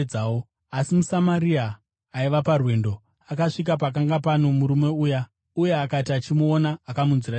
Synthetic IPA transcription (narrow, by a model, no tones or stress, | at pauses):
d͡zaːwo | asimusamaɾiaː | iʋaparwe̞ːndo̞ | akaʂik̬ap̬ak̬aŋɡapano̞muɾume̞uːja | uje̞akatiat͡ʃimuonaːkamunzira